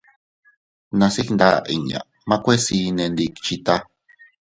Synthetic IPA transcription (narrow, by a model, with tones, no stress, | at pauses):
nã˧si˦knd̪a̰˦ʔḭ˨ɲã̰˨ | mã˧˦kʷe˦si˧nẽ˧nd̪i˧ki̥t͡ʃi˧t̪a˦